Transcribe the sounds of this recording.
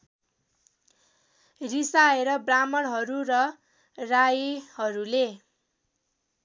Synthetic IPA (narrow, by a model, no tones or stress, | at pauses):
risaeɾʌbramʌɽɦʌɾuɾʌ | rajhʌɾule